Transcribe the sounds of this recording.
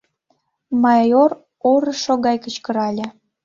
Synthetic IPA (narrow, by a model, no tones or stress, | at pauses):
mɑjor | oɾə̆ʃoɣɑjkət͡ɕkəɾɑlʲĕ